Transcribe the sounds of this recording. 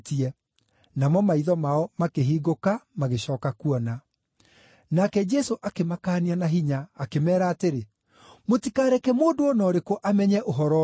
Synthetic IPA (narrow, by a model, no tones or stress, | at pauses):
tiɛ | namɔmaiðɔmaɔmakeɦiːɣokamaɣeɕɔːkakuɔna | nakɛd͡ʒɛsoʔakemakaːnianaɦiɲaːkemɛːɾaːteɾe | motikaːɾɛkɛmoːdoɔnɔːɾekoʔamɛɲɛʔoɦɔɾɔ